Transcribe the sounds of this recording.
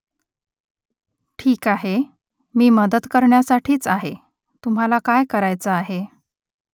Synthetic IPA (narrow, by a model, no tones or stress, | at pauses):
ʈʰiːkaɦe | miːməd̪ət̪kəɾɳjasaʈʰiːt͡saɦe | t̪um̤ɦalakajkəɾajt͡səaɦe